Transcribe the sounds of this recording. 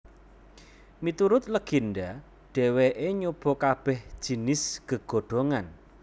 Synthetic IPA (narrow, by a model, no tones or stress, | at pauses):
mit̪uɾʊt̪̚ləɡ̥i̤nɖa | ɖ̥ɛ̤weʔeɲob̥ɔ̤kab̥ɛhd̥ʒ̥i̤nɪsɡ̥əɡ̥o̤ɖ̥o̤ŋan